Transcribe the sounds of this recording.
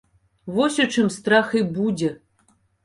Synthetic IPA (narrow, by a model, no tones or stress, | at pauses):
vɔsʲɔt͡ʂɨmst̪ɾaxɨbud͡zʲɛ